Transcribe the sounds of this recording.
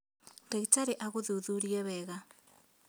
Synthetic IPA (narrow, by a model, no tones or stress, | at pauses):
deɣtaɾeʔaɣoðuðuɾiɛβɛɣa